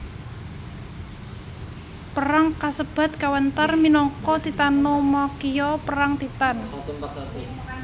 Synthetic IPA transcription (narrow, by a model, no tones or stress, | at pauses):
pəɾaŋkasəb̥a̤t̪̚kawənt̪arminɔŋkɔd̪̥i̤t̪anomɔkijɔpəɾaŋt̪it̪an